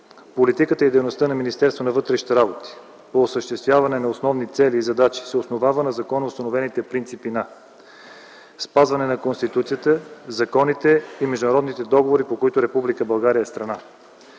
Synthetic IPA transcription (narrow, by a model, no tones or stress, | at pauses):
polit̪ikət̪əid̪ɛjnost̪ənɐminist̪ɛɾst̪vonɐvɤt̪ɾɛʃni̥t̪ɛɾabot̪i̥ | poːsəʃt̪ɛst̪vʲjavɐnɛnɐosnɔvnit̪sɛliːzɐd̪at͡ʃi̥sɛosnovavənɐzɐkɔnəʊst̪ɐnovɛnit̪ɛpɾint̪sipinɐ | spazvɐnɛnɐkonst̪it̪ut̪sijət̪əzɐkɔnit̪ɛimɛʒd̪ʊnɐɾɔd̪nit̪ɛd̪ɔɡovoɾipokoit̪ʊɾɛpublikəbɐlˠɡaɾiəɛst̪ɾɐna